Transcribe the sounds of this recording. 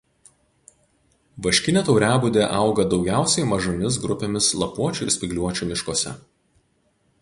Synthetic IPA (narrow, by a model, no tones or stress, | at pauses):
ʋɐʃʲkʲɪnʲeːt̪ɒʊɾʲæːbʊd̪ʲeːʔɐˑʊɡɐd̪ɒʊɡʲæˑʊsʲɛɪmɐʒomʲɪs̬ɡɾʊpʲemʲɪslˠɐpuɔt͡ʃʲuɪɾsʲpʲɪɡlʲuɔt͡ʃʲumʲɪʃkoːsʲɛ̰